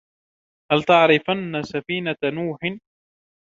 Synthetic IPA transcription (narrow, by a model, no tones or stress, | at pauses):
halt̪aʕɾɪfanːasafiːnanuːħɪ